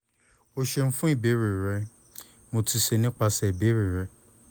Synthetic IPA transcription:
o˧ʃe˧m̩̃˦fũ˦i˦˨be˨˦ɾi˨ɾɛ˧˦ | mo˧ti˧ʃe˧nĩ˦k͡pa˧sɛ˧˨i˨be˨˦ɾi˨ɾɛ˧˦

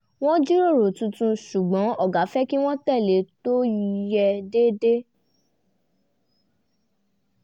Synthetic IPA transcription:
w̃ɔ̃˦d͡ʒi˦ɾo˦˨ɾo˨tũ˧tũ˧ʃu˨ɡ͡bɔ̃˨˦ɔ˦˨ɡa˨˦fɛ˦ki˦w̃ɔ̃˦tɛ˦˨le˨˦to˦˧jɛ˧de˦de˦

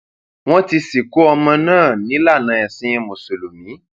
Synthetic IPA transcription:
w̃ɔ̃˦ti˧si˨ku˦ɔ˧mã˧nãː˦˨nĩ˨˦la˦˨nã˧ɛ˨sĩ˦jɛ̃˧mõ˨so˨lo˨mĩ˨˦

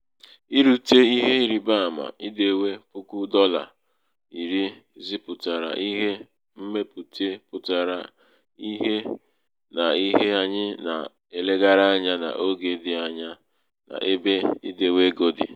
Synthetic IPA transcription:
i˦ɾu˦te˦i˦ɦe˦i˦ɾi˨ba˦˨ma̰˨i˦de˦we˦pʊ˦ku˦dɔ˦la̰˨ | i˨ɾi˦zi˦pʊ˨ta˨ɾa̰˨ʔi˦ɦe˦ | m̩˦me˦pu˨te˦pʊ˨ta˨ɾa̰˨ | i˦ɦe˦ | na˨i˦ɦe˦a˦ɲɪ˦na̰˨ | e˨le˦ɡa˦ɾa˦ɲa˦na̰˨ʔo˦ɡe˨dɪ˨a˨ɲa˦ | na̰˨ʔe˦be˦i˦de˦we˦ɡo˦dɪ̰˨

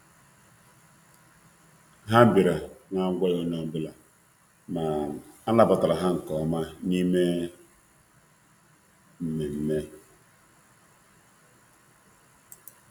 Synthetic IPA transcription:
ɦa˦˨bi˨ɾa˨ŋa˦ŋ˦ɡʷɔ˦jo˦no˦bu˦la˨ | ma˨a˦la˦ba˨ta˨ɾa˨ɦa˦ŋ̩˨kɔ˨ma˦ni˦me˦ | m̩˨me˨m̩˦me˦

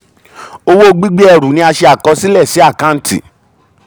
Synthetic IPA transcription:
o˧wo˦ɡ͡bi˦ɡ͡be˦ɛ˧˨ɾũ˨˦nĩ˦a˧ʃe˧a˨kɔ˨˧˦si˦lɛ˦˨si˨˦a˦˨kã˦n̩˦tḭ˦˨

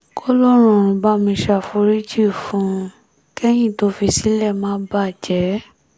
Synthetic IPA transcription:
kɔ˦lɔ˦ɾ̃ũ˨ɾ̃ũ˧ba˦mĩ˧ʃa˧˨fu˧ɾi˦d͡ʒi˦˨fũ˧˦ | kɛ˦j̃ĩ˦˨to˨˧˦fi˧si˦lɛ˦˨mã˦ba˦˨d͡ʒɛ˨˦

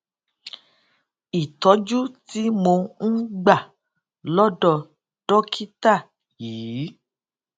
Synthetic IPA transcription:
i˨tɔ˨˦d͡ʒu˦ti˨˦mo˧n̩˦ɡ͡ba˦˨ | lɔ˦dɔ˦˨ | d̥ɔ˦kʰi˦ta˦˨ | jiː˨˦

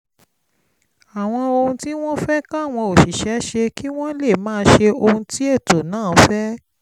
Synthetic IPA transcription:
a˨w̃ɔ̃˧o˧hũ˧ti˦w̃ɔ̃˦fɛ˦kã˦a˦˨w̃ɔ̃˧o˨ʃi˨ʃɛ˨˦ʃe˧ki˦w̃ɔ̃˦le˦˨mãː˦ʃe˧o˧hũ˧ti˦e˦˨to˨nãː˦˨˦fɛ˦

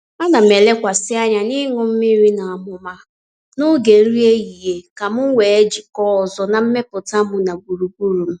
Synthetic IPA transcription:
a˦na˨m̩˨e˨le˦kʷa˨sɪ˦a˦ɲa˨nɪ˦ŋʊ˦m̩˦mi˦ɾi˦na˨a˨mʊ˨ma˦ | nʊ˦ɡe˨˦ɾi˦e˦ɣi˨ɦe˨ka˨m̩˦wʷe˨e˦d͡ʒi˨kɔ˦˨zɔ˨na˨m̩˦me˦pʊ˨ta˦mʊ˨na˨ɡu˨ɾu˨ɡu˦ɾu˨m̩˦

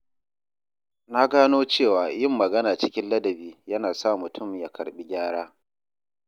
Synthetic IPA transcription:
na˦ɡaː˦noː˦t͡ʃeː˦˨waː˨jɪ˦˨mːɐ˨ɡɐ˦naː˨t͡ʃɪ˦kʲɪ˦nlɐ˦dɐ˨biː˦jɐ˦naː˨sa˦˨mʊ˨tʰʊ˦˨mja˦kʰɐ̰˨ɽɓi˦ɡʲaː˦ɽaː˦

